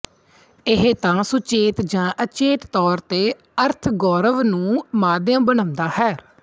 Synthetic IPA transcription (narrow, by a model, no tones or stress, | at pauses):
ɪɦet̪ãːsʊt͡ʃeːt̪d͡ʒãːʔət͡ʃeːt̪t̪ɔːɾt̪eː | əɾt̪ʰɡɔːɾəʋnũːmaːd̪jãːbənəʊ̃nd̪aːhɛː